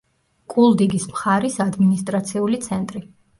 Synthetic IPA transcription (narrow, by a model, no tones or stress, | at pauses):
kʼulˠd̪iɡismχaɾisad̪minist̪ʼɾat̪sʰiulit̪sʰɛnt̪ʼɾi